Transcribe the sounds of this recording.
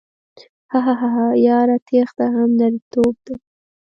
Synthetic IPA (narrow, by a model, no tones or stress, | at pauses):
haɦaɦaɦajɑɾat̪ʰexd̪aɦamnaɾit̪ob̚d̪̥a